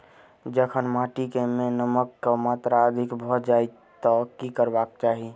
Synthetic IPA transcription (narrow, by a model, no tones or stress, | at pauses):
d͡ʒəkʰənmaʈikemẽnəməkːamat̪ɾaəd̪ʱikbʱɔd͡ʒai | t̪ɔkikəɾbak̚t͡ʃaːɦi